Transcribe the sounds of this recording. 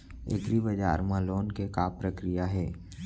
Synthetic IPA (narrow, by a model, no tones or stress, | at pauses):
ḛkɾibəd͡ʒa̰ːɾmaloːnkekapɾəkɾijaɦɛː